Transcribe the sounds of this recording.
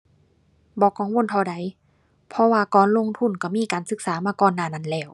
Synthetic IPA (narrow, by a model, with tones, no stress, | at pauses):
bɔː˨˧˦kɔː˨˧˦ŋwo˧˥˨nt̪ʰɔ˧˩da˨˦j | pʰɔ˧waː˧kɔː˨˦nlo˧˨ŋt̪ʰu˧˥˨nka˧˩miː˧˥˨kaː˨nsɯ˧˦k̚saː˨˦maː˧˨kɔː˧˥˨nːaː˧˩˨na˧˥˨nlɛː˧˩w